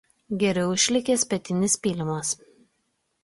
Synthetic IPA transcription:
ɡʲɛɾʲɛʊɪʃʲlʲɪkʲeːsʲpʲɛt̪ʲɪnʲɪspʲiːlʲɪmɐs

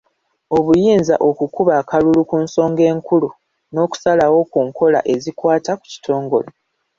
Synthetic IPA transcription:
o̞βujiːnzaʔo̞kukuβaːkalulukuːnso̞ːŋɡe̞ːŋkulu | no̞ːku̥salawo̞kuːŋko̞la̰ʔe̞zikwaːtaku̥ci̥tʰo̞ːŋɡo̞lo

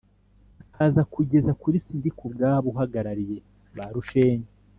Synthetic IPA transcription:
akʰaːzakuɟe̞zakuɾisindikubɡaːβuɦaɡaɾaɾije̞ | βaɾuʃe̞ːɲe

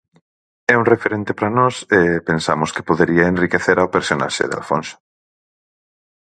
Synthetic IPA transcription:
ɛuŋrefeɾent̪epɾɐnɔsepensamʊske̥poðeɾiɐenrikeθeɾaopeɾsona̰ʃḛðea̰lfo̰nso̥

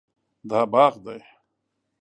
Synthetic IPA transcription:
d̪aːbɑːɣd̪aj

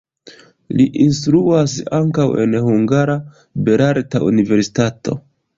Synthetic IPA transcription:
liʔinstɾuasaŋkawe̞̰nhuŋɡaɾa | be̞ɾaɾtaʔṵnive̞ɾsi̥tato̞̰

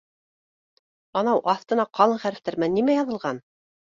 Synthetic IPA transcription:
ɑnɑwʔɑθt̪ɤ̆nɑqʰɑlˠɤɴχæɾɘ̆t̪æɾmænːimæjɑðɤ̆lˠʁɑn

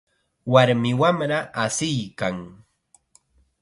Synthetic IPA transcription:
waɾmɪwamɾaʔːsɪjkaŋ

